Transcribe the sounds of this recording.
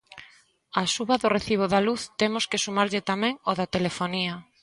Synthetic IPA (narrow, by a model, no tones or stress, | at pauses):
asuβaðʊreθiβ̞oðaluθt̪emʊskesumaɾʎɪt̪amɛ̃ŋoðat̪elefonia